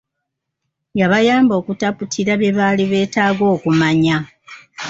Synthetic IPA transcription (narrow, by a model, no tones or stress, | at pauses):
jaβajaːmbo̞ːkutaputʰiɾaβjeβaːliβe̞ːtaːɡo̞ːkumaɲa